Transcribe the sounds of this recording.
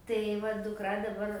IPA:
tɐɪ ˈʋɐ dʊkˈrɐ dɐˈbɐr

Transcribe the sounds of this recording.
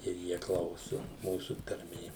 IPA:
ɪr ˈjiɛ ˈklˠɐʊsʊ ˈmuːsʊ tɐrʲˈmʲeː

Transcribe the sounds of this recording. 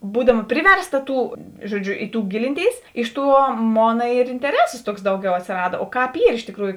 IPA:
ˈbuːdɐmɐ ˈpʲrʲɪʋʲɛrˌstɐ ˈtuː ˈʒuɔˌd͡ʒʲʊ ɪ tuː ˈɡʲɪlʲɪnʲˌtʲeːɪs ˈɪʃ ˌtuɔ ˈmoːnɐ ɪr ɪnʲtʲɛˈrʲæːsoːs ˈtuɔks ˈdɐʊˌɡʲɛʊ ɐtʲsʲeːˈrɑːdɐ oː ˈkɑːp ˈiːr ɪʃ tʲɪˈkruːjʊ

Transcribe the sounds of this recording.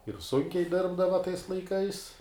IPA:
ɪr ˈsʊŋʲkʲɛɪ ˈdʲɪrbdɐʋɐ tɐɪs lˠɐɪˈkɐɪs

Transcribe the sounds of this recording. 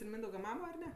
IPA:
ɪr ˈmʲiːndɐʊɡɐ ˈmɑːmoː ɐr ˈnʲɛ

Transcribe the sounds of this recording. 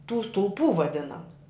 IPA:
tuː stʊlˠˈpuː ʋɐˈdʲɪnɐmʊ

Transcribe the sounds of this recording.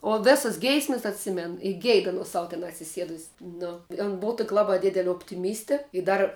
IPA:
oː ˈʋʲeːsɐs ˈɡʲɛɪsʲmʲɛs ɐtʲˈsʲɪmʲɛn ɪ ˈɡʲɛɪt ɐˈnoːs ˈsɐʊ tʲɛn ɐtʲsʲɪˈsʲiɛdʊsʲsʲ nʊ oːn ˈboːw toːkʲ ˈlˠɑːbɐ ˈdʲɪdʲɛlʲɛ oːpʲtʲɪˈmʲiːsʲtʲɛ ɪ ˈdɐr

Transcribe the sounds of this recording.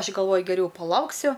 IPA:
ˈɐʃʲ ɡɐlˠˈʋoːjʊ ɡʲɛˈrʲɛʊ pɐˈlˠɐʊksʲʊ

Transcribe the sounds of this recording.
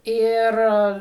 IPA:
ˈɪr

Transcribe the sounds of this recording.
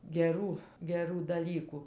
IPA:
ɡʲɛˈruː ɡʲɛˈruː dɐˈlʲiːkʊ

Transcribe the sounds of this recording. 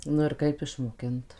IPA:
nʊ ɪr ˈkɐɪp ɪʃmoːˈkʲɪnt

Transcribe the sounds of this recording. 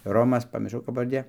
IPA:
ˈroːmɐs pɐmʲɪrˈʃɐʊ kɐp pɐʋɐrʲˈdʲeː

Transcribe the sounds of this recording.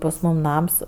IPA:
pɐs ˈmuːm ˈnɐms

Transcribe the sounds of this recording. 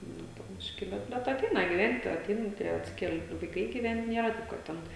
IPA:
ˈnʊ poː ˈbʲɪʃʲkʲɪ ˈbʲɛt bʲɛt ɐˈtʲɛɪnɐ ɡʲɪˈʋʲɛnʲtʲ ɐˈtʲɛɪn ˈtʲiɛ ɐtʲˈsʲɪkʲɛlʲ ʋɐɪˈkɐɪ ɡʲɪˈʋʲɛnt ˈnʲeːrɐ ˈtɐɪp kɐt ˈtʲɛn

